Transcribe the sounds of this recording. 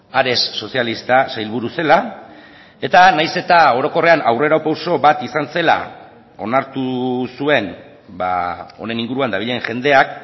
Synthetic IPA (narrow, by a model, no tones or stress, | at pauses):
aɾe̞sːo̞sialist̪asajlβuɾuse̞la | e̞t̪anajse̞t̪ao̞ɾo̞ko̞re̞anawre̞ɾawpawso̞βat̪isanse̞la̰ | o̞naɾt̪usue̞n | ba̰o̞̰ne̞niŋɡuɾuand̪aβ̞iʎe̞ŋʝe̞nd̪e̞ak